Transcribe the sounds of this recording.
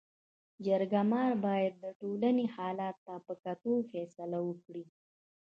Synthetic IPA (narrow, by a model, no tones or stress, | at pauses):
d͡ʒaɾɡamɑɾbɑjad̪̚ːəʈolanehɑlɑt̪ːapəkat̪ofɛsalawəkɽi